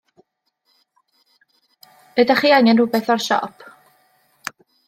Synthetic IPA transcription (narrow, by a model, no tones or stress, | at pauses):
nədaχiːaŋɛnrʊbɛθɔrʃɔ̰pʰ